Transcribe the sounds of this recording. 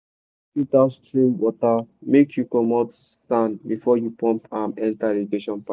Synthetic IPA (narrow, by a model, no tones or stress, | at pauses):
kitastɹĩmwɔtamekjukɔmɔtstãndbifɔjupɔ̃mpãmɛ̃ntaɹiɡeʃɔ̃npa